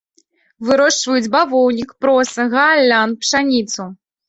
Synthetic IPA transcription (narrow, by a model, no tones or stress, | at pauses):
vɨɾɔʂt͡ʂvɐjud͡zʲbavɔwnʲikpɾɔsɐɣɐlʲːanpʂanʲit̪su